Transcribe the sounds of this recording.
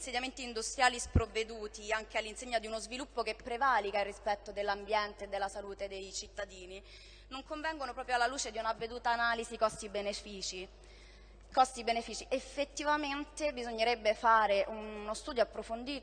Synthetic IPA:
nseɲːament̪iːnd̪ust̪ɾjaːlispɾovːed̪uːt̪iaŋk̟ealːinseɲːad̪iunozvilupːokepːɾevaːlikairːispɛt̪ːod̪elːambjɛnt̪ed̪ːelːasaluːt̪ed̪ejt͡ʃit̪ːad̪iːni | noŋkoɱvɛŋɡonopɾɔːpɾjoalːaluːt͡ʃed̪iunavːed̪uːt̪aːnaːlizikɔst̪ibenefiːt͡ʃi | kɔst̪ibenefiːt͡ʃiʔefːet̪ːivament̪ebizoɲːeɾebːefaːɾeʔunnost̪uːd̪joapːɾofond̪iːt̪o

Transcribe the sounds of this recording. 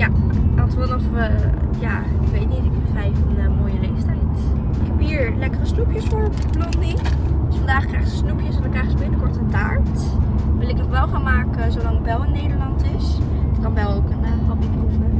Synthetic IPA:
jaɑtʋnɔfəja̰ | ɪkʋejtnitɪk̚vrɛjfənmoːjərejstanit | ɪkɛpiːɹlɛkərəsnupjəsfʊːɹ | ploχnidəsfɑndaːχkrɛjχəsəsnupjəsnəkrɛjχəsəbɪnəkɔɹtənta̰ːɹt | ʋɪlˠɪknɔχʋɛlˠχaːnmaːkəzowlɑŋəbɛlˠɪnːejdəɹlɑntɪs | d̥ɑnʋɛlˠowkəntɑpitovəɹ

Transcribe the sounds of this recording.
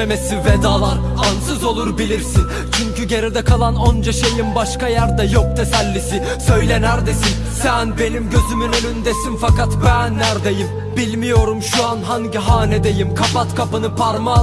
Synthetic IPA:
emesived̪aːlˠaɾ | ansɯzo̞lˠuɾbilʲiɾsin | t͡ʃʰyɲcyɟe̞ɾɛd̪ɛkʰalˠanond͡ʒaʃejimbaʃkajæɾd̪ɛjok̚t̪ʰesælʲːisi | sø̞jlʲenæɾd̪e̞sin | sænbe̞nimɟø̞zymynønynd̪e̞sinfakat̪bænːæɾd̪e̞jim | bilʲmijo̞ɾumʃuanɦaŋɟiɦaːned̪ejimkʰapat̪kʰapɯnɯpʰaɾma

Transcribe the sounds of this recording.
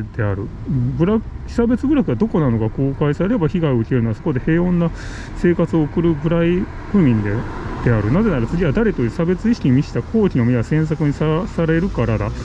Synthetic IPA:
d̪̥e̞aɾɯ̟ɯ̟̃ɴbɯ̟ɾak | sabe̞t͡sɨbɯ̟ɾakɯ̟ɡad̪o̞ko̞nano̞ɡako̞ːkaisaɾe̞ɾe̞baçiɡaioɯkʲeɾɯ̟noasoko̞d̪e̞he̞ːõ̞nːa | se̞ːkat͡sɨo̞ːkɯ̟ɾɯ̟bɯ̟ɾai | ɸɯ̟mʲĩnd̪ed̪̥e̞aɾɯ̟naze̞naɾat͡sɨɡʲiβad̪aɾe̞t̪o̞jɯ̟ːsabe̞t͡sɨiɕi̥kʲiɲimʲiɕi̥t̪akʰo̞ːkʲino̞mʲiβasẽ̞ɰ̃s̬akɯ̟ɲ̟isasaɾe̞ɾɯ̟kaɾad̪a

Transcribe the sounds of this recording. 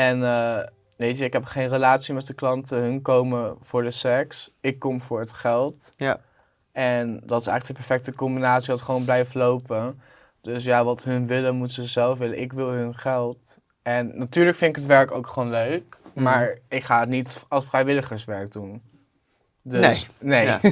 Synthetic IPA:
ɛnə | ʋejtəɪkɦɛpχejnrəlaːtsimɛt̚dəklɑntəɦɵnkowməv̥ʊːɹdəsɛksɪkːɔmvʊːɹɦətχɛlˠt | ɛndɑtɪsɛ̰jχələkəpɛɹfɛk̚təkɔmbinaːtsiʋɑtχəʋownblɛjfəlowpə | d̥øsjaːʋɑtɦɵnʋɪlənmutəsəzɛlˠfʋɪlənʔɪkʋɪlˠɦɵnχɛlˠt | ɛnːatyːɹləkfɪntɪkətʋɛɹkowkχəʋownløɥkmaːɹɪkχaːətnitɑlˠsfrɛjʋɪləχəɹsʋɛɹɡ̚dun | døsnej

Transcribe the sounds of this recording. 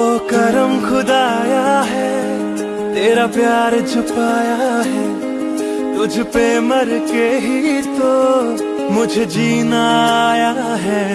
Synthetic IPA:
oːkɐɾəmxʊd̪aːjaɦɛ | t̪eːɾapjaːɾt͡ʃʰʊpaːjaɦɛː | t̪ʊd͡ʒʱpemɐɾkeɦit̪o | mʊd͡ʒʱd͡ʒiːnaja | ɦɛ

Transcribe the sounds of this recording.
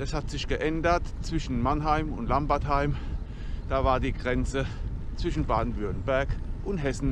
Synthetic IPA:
ɛshatz̥ɪçɡ̥əʔɛndɐtt͡sv̥ɪʃn̩manɦaɪmʊ̰ntlambaɐthaɪm | d̥aːvaːɐdiːɡʁɛnt͡sət͡sv̥ɪʃn̩baːdn̩vʏɐtn̩bɛɐkʔʊntɦɛsn̩

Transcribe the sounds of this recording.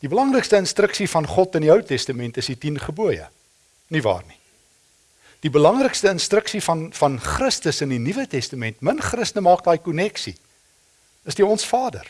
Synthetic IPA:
dibəlɐŋrəkstəənstɾəksifɐnχɔtəndiœwtɛstəmɛntəsitinχəbuəjə̰ | nivɑ̰ːrni | d̥ibəlɐŋrəkstəənstrəksifɐnfɐnχrəstəsəndinivətɛstɐmɛntmənχrəstənəmɑːk̚dɑːjkunɛksḭ | əsdiɔnsfɑːdə̰r

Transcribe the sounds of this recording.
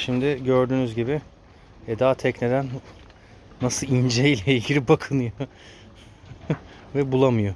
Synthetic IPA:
ʃimd̪ɪɟøɾd̪yːnyzɟibɪ | ɛd̪aːt̪ʰɛcne̞d̪ænː | asɯind͡ʒeijlʲɛilʲɟʲiɾʲibakʰɯnɯjo | vɛbulˠamɯjo

